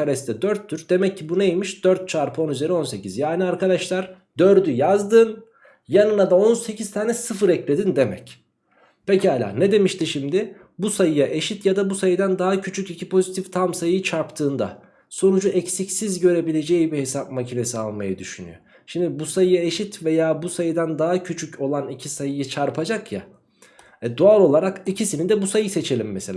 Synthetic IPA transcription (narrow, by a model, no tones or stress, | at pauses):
aɾɛst̪ʰɛd̪øɾt̪ʰːyɾd̪e̞mɛcʰːibunejmiʃd̪̥øɾt̪̚t͡ʃʰaɾpʰo̞nyze̞ɾio̞nse̞cizjaːniaɾkad̪aʃlˠaɾ | d̪̥øɾd̪yjazd̪ɯn | janɯnad̪ao̞nse̞cʰiz̥t̪ʰaːnɛsɯfɯɾɛclʲe̞d̪ind̪e̞mɛ̰c | pecihalʲa̰ned̪e̞miʃt̪iʃimd̪ɪ | busajɯjaʔe̞ʃit̪jad̪abusajɯd̪and̪aɦacʰyt͡ʃʰycicʰipʰo̞zit̪ʰift̪ʰamsajɯɯt͡ʃʰaɾpt̪ʰɯːnd̪a̰ | so̞nud͡ʒuʔɛcsicsizɟø̞ɾe̞bilʲe̞d͡ʒejibihe̞sap̚macʰine̞sia̰lˠmajad̪yʃyny̰jo̰ | ʃimd̪ɪbusajɯjae̞ʃit̪ve̞jaːbusajɯd̪ænd̪aɦacʰyt͡ʃʰycʰo̞lˠanicʰisajɯjɯt͡ʃʰaɾpʰad͡ʒakja̰ | ɛd̪oalˠo̞lˠaɾakicʰisinid̪ɛbusajɯse̞t͡ʃʰe̞lʲimːɛselʲː